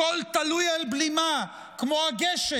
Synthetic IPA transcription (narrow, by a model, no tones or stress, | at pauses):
olt̪alujalblima | kmoaɡeʃe